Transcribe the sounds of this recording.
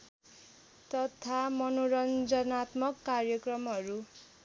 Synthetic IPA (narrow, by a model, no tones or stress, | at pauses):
t̪ʌt̪ʰamʌnoɾʌnd͡zʌnat̪mʌkːarjʌkrʌmɦʌɾu